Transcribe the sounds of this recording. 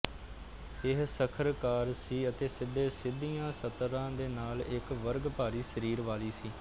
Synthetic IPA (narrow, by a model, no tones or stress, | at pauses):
ɪɦsəkʰəɾkaːɾsiːət̪eːsɪd̪eːsɪd̪ijãːsət̪ɾãːd̪eːnaːlɪkʋəɾɡpaːɾiːsəɾiːɾʋaːliːsiː